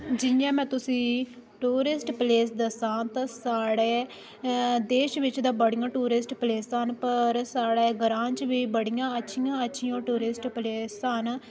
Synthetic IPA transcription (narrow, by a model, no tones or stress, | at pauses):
d͡ʒɪjãːmɛ̃ːt̪ʊsĩː | ʈuːɾɪsʈpleːsd̪əsãːt̪ãːsaːɽeː | d̪eːʃʋɪt͡ʃd̪ãːbəɽijãːʈuːɾɪsʈpleːsənpəɾsaːɽeːɡəɾãːt͡ʃʋiːbəɽɪjãːətːʃʰijãːətːʃʰijãːʈuːɾɪsʈpleːsən